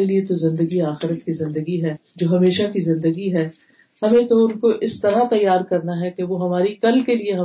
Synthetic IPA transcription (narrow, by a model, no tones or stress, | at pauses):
eliet̪ozɪ̃nd̪əɡiaːxɪɾət̪kizɪ̃nd̪əɡiɦɛːd͡ʒoːɦɐmeːʃakizɪ̃nd̪əɡiɦɛː | hɐmẽt̪oʊnkoʔɪst̪ɐɾat̪ɐjːaːɾkɐɾnaɦɛkeʋoɦɐmaːɾikɐlkelieɦɐ